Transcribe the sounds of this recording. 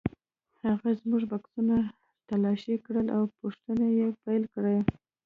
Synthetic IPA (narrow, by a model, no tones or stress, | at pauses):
haɣazmuʐbaksuna | t̪alɑʃikɽəlawpoʂt̪ənajepajlkɽaj